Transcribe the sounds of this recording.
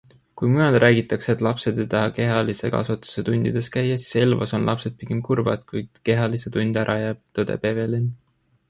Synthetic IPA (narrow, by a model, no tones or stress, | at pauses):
kujmujɑld̪rʔæːɡ̥it̪ːˑɑkseet̪ˑlɑpse̞d̪ejt̪ɑhɑke̞ɦɑlise̞kɑ̰svɑt̪ːˑu̥se̞t̪unʲd̪̥id̪̥e̞skæjːɑsi̥selvɑ̰so̞nlʔɑpse̞d̪̥̚pikemkurvɑ̰d̪̥kujd̪̥ke̞ɦɑliset̪unʲd̪̥æɾʔɑjæːb̥̚t̪od̪̥ḛpeve̞lin